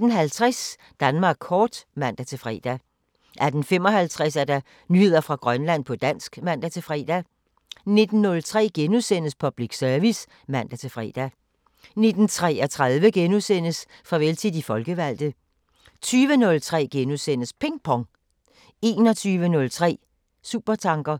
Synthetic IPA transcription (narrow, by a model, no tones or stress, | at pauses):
d̥n̩ɦælt͡sʰʁas | d̥ænmɑ̈ːɡ̥ʰɒːd̥mæn̰d̥æt͡sʰe̝fʁɛ̰ːd̥æ | ʔæd̥n̩fem̰ɒ̽ɦælt͡sʰʁɛsæɐd̥ɑ̈ | nyhe̝ð̞̰ˠɐfʁɑ̈ɡ̥ʁɶnlæn̰pʰɒ̽d̥æn̰sɡ̥mæn̰d̥æt͡sʰe̝fʁɛ̰ːd̥æ | ne̝d̥n̩ːɔ̽lt͡sʰʁɛ̰ːɡ̥enusen̰əspʰɒ̽b̥liɡ̥sœɐʋis | mæn̰d̥æt͡sʰe̝fʁɛ̰ːd̥æ | ne̝d̥n̩t͡sʰʁɛɒt͡sʰʁað̞ˠʋəɡ̥enusen̰əsfʁɑ̈ʋelt͡sʰið̰ˠifɒ̽lɡ̥əʋæl̰d̥ð̩ˠ | t͡sʰyːʋənɔ̽lt͡sʰʁɛ̰ːɡ̥enusen̰əspʰe̝ŋ̥̚pʰɒ̽ŋ | e̝̰ːnɒ̽t͡sʰyːʋənɔ̽lt͡sʰʁɛ̰ː | sṵːb̥ɐt͡sʰɑ̈ŋɡ̥ɐ